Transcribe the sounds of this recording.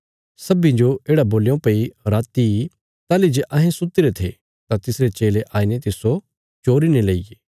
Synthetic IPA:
sɐbĩd͡ʒoeːɽaboːlejõpɐiɾaːt̪i | t̪aːlid͡ʒeʔɐɦẽsʊt̪ɪɾet̪ʰe | t̪ãt̪ɪsɾet͡ʃeːleʔaːinet̪ɪso | t͡ʃoːɾinelɐijeː

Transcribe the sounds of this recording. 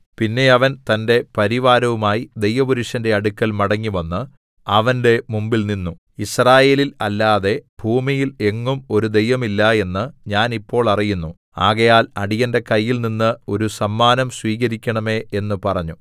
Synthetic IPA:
pinːe̞ɐʋɐnt̪ɐnde̞pɐɾiʋaːɾɐʋumaːjid̪e̞jʋɐbuɾuʂɐnde̞ɐɽukːɐlmɐɽɐŋːiʋɐnːɨ | ɐʋɐnde̞mumbilninːu | israːje̞ːlilɐlːaːðe̞bʱuːmijile̞ŋːumo̞ɾud̪e̞jʋɐmilːɐe̞nːɨɲaːnipːo̞ːɭɐrijunːu | aːɣɐjaːlɐɽijɐnde̞kɐjːilninːɨo̞ɾusɐmːaːnɐmsʋiːɣɐɾikʲːɐɳɐme̞ːʔe̞nːɨpɐrɐɲːu

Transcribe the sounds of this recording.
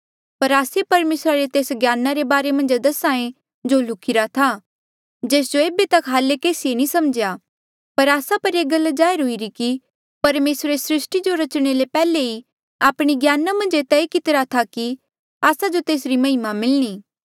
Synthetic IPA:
pɐɾaːsepɐɾmeːsɾaɾet̪eːsɡjaːnaɾebaːɾemɐ̃nd͡ʒd̪ɐsãːẽ | d͡ʒolʊkʰɪɾat̪ʰa | d͡ʒeːs̬d͡ʒoeːbet̪ɐkɦaːlekeːsienĩsɐmd͡ʒja | pɐɾaːsapɐɾeːɡɐld͡ʒaːjɾɦʊiɾiki | pɐɾmeːsɾesɾɪsʈid͡ʒoɾɐt͡ʃɽ̃elepɛːlei | aːpɽ̃iɡjaːnamɐ̃nd͡ʒet̪ɛekɪt̪ɾat̪ʰaki | aːsad͡ʒot̪eːsɾimɐɦɪmamɪlɽ̃iː

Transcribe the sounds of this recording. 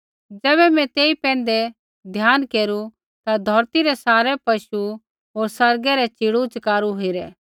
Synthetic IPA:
d͡ʒɛːβɛmɛ̃t̪eːipɛ̃ːnd̪ɛ | d̪ʱjaːnkeːɾu | t̪ad̪ʱɔːɾt̪iɾɛsaːɾɛpɐʃu | ɦoːɾsɐɾɡɛɾɛt͡ʃiːɽut͡ʃɐkaːɾuɦoiɾɛː

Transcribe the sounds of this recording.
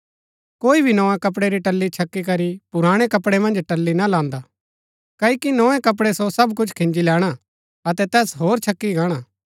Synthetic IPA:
koːibʱinɔːẽkɐp̬ɽeɾiʈɐlːit͡ʃʰɐkːikɐɾipʊɾãːɽ̃ekɐpɽemɐ̃nd͡ʒʈɐlːinalãːnd̪aː | kɐikinɔ̃ːẽkɐp̬ɽesosɐbkʊt͡ʃʰkʰɪ̃ɲd͡ʒilɛːɽ̃a | ɐt̪ɛt̪ɛːsɦoːɾt͡ʃʰɐkːiɡaːɽ̃aː

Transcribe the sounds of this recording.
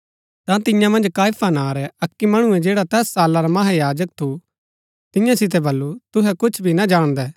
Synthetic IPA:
t̪ãt̪ɪ̃jãmɐ̃nd͡ʒkaːjfʰanaːɾɛɐkːimɐɽ̃ʊ̃ɛ̃d͡ʒeːɽat̪ɛːsːaːlaɾamɐɦajaːd͡ʒək̚t̪ʰu | t̪ɪ̃jãsɪt̪̬ɛbɐlːut̪ʊɦɛkʊt͡ʃʰbʱinad͡ʒaːɽ̃d̪ɛː

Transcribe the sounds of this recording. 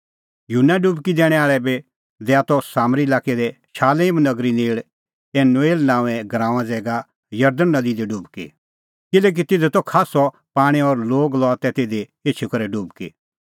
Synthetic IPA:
junːaɖubkid̪ɛːɽ̃ɛaːɭɛbe | d̪ɛat̪ɔsaːmɾilaːkɛd̪ɛ | ʃʰaːleːmnɐɡɾineːɭ | eːnoeːlnãːɛɡɾãːʊ̃ãd͡zɛːɡa | jɐɾd̪ənːɐd̪id̪ɛɖuːbkḭ | kɪlɛːk̬it̪ɪd̪et̪ɔkʰaːsɔ | paːɽ̃iɔɾloːɡlɔat̪ɛt̪eːd̪e | eːt͡ʃʰukɐɾɛɖuːbkḭ

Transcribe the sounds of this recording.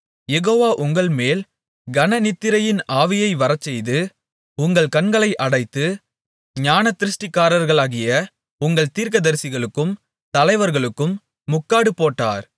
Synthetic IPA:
jɛɣoːʋaːʔʊŋɡɐɭmeːl | ɡɐnɐnɪt̪ːɪɾɐjɪnaːʋɪjɐɪʋɐɾɐt͡ʃːɛjðɯ | ʊŋɡɐɭkɐnɡɐɭɐɪʔɐɽɐɪt̪ːɯ | ɲaːnɐt̪ːɪɾɯʂʈɪkːaːɾɐɾɣɐɭaːɣɪjɐ | ʊŋɡɐɭt̪iːɾkɐðɐɾsɪɣɐɭɯkːɯm | t̪ɐlɐɪʋɐɾɣɐɭɯkːɯmː | ʊkːaːɽɯpːoːʈːa̰ːɾ

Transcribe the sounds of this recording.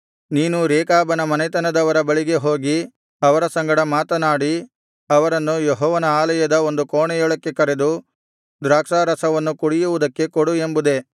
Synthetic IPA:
niːnuɾeːkaːbɐnɐmɐnɛt̪ɐnɐd̪ɐʋɐɾɐbɐɭiɡe̞ɦo̞ːɡi | ɐʋɐɾɐsɐŋɡɐɽɐmaːt̪ɐnaːɽi | ɐʋɐɾɐnːujeɦɔːʋɐnɐaːlɐjɐd̪ɐo̞nd̪ukoːɳɛjɔɭɐkːe̞kɐɾe̞d̪u | d̪ɾaːkʂaːɾɐsɐʋɐnːukuɽijuʋud̪ɐkːe̞koɽue̞mbud̪e̞

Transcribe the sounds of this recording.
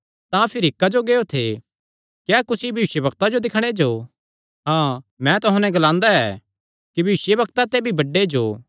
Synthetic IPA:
t̪ãpʰɪɾɪkːad͡ʒoɡeːot̪ʰe | kjaːkʊsibʱɐʋɪʃjəbɐkt̪ad͡ʒod̪ɪkʰɽ̃ed͡ʒoː | ɦãːmɛ̃t̪ʊɦãːnɛ̃ɡɐlãːnd̪aɛː | kibʱɐʋɪsjəbɐkt̪at̪ebʱibɐɖːed͡ʒoː

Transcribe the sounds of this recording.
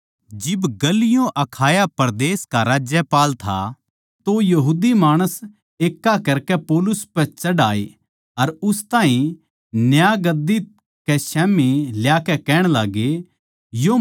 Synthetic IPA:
d͡ʒɪbɡɐlɪjõʔɐkʰaːjapɐɾd̪eːskaɾaːd͡ʒjɛpaːlt̪ʰa̰ | t̪ojɐɦuːd̪imaːɽ̃əs | eːkːakɐɾkɛpoːlʊspt͡ʃɐɖaːe | ɐɾʊst̪aːɦĩ | njaːɡɐd̪i | kɛsɛːmiljaːkɛkɛːɽ̃laːɡe | jo

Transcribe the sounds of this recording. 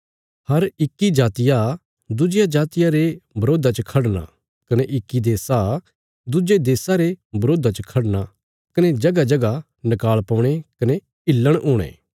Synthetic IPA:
hɐɾɪkːid͡ʒaːt̪ɪja | d̪ʊd͡ʒɪjad͡ʒaːt̪ɪjaɾebɐɾoːd̪at͡ʃəkʰɐɽna̰ | kɐneʔɪkːid̪eːsa | d̪ʊd͡ʒed̪eːsaɾebɐɾoːd̪at͡ʃəkʰɐɽna | kɐned͡ʒɐɡad͡ʒɐɡa | nɐkaːlpɐ̃ːɽ̃ekɐne | ɪlːəɽ̃oːɽ̃ḛ̃ː

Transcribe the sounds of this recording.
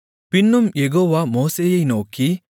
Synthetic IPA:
pinːumjeɡoːʋamoːsejejnoːki

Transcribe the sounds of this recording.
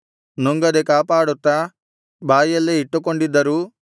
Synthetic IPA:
nuŋɡɐd̪ekaːpaːɽut̪ːa | baːjɐlːeiʈːukoɳɖid̪ːɐɾu

